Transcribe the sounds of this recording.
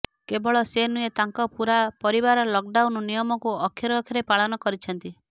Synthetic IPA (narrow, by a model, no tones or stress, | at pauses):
kebɔɭɔsenujet̪aŋkɔpuɾapɔɾibaɾɔlɔk̚ɖawnnijɔmɔkuɔkʰjɔɾɔkʰjɔɾepaɭɔnɔkɔɾit͡ʃʰɔnt̪i